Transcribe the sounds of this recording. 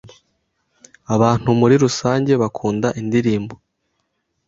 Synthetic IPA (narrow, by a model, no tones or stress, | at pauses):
aβaːn̥humuɾiɾusaːɲɟe̞βakʰuːndaʔindiɾiːmbo